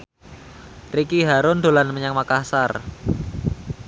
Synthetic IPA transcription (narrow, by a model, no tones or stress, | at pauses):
t̪ɾikiɦaɾʊnd̪o̤lanməɲaŋmakasar